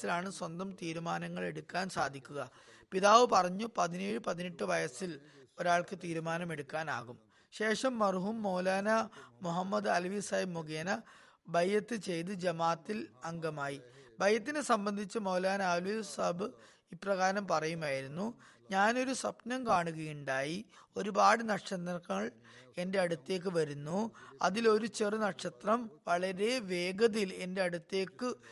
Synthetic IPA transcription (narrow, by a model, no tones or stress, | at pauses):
silaːɳɨswɐnd̪ɐmt̪iːɾumaːnɐŋːɐɭe̞ɽukːaːnsa̰ːd̪ʱikʲːuɣɐpiðaːʋɨpɐrɐɲːupɐðineːɻɨpɐðiniʈːɨʋɐjɐsilo̞ɾaːɭkɨt̪iːɾumaːnɐme̞ɽukːaːna̰ːɣum | ɕe̞ːʂɐmːɐrɦumːo̞ːlaːnɐmuɦɐmːɐd̪ɨɐlʋisɐjmːuɡeːnɐ | bʱɐjːɐt̪ːɨt͡ɕe̞jt̪̬ɨd͡ʑɐmaːt̪ːilɐŋɡɐmaːjibʱɐjɐt̪̬ːinɨsɐmbɐnd̪ʱit͡ɕːɨmɐwlaːnɐaːlusɐbɨ | iprɐɣaːɐɾɐmpɐrɐjumaːjiɾunːu | ɲaːno̞ɾuswɐpnɐmkaːɳuɣɐjuɳɖaːjio̞ɾubaːɽɨnɐʈʂɐnɐŋɐɭe̞nde̞ɐɽut̪ːe̞ːk̬ːɨʋɐɾunːuɐ̰ðilo̞ɾut͡ɕerɨnɐʈʂɐt̪rɐmʋɐɭɐɾe̞ʋe̞ːɡɐðile̞nde̞ɐɽut̪ːe̞ːkːɨ